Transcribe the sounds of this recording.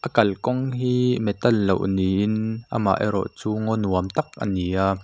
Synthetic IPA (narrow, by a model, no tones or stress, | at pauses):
ʔəkɐlkɔŋɦiːmɛt̪ɐlːowniːʔɪnʔa̰ma̰ʔɛɾɔ̰ʔt͡suːŋɔnuəmt̪ɐk̚ʔə̰nijaː